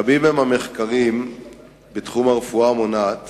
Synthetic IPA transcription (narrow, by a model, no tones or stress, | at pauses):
abimhemhame̞χkaʁim | betχumaʁefuamonat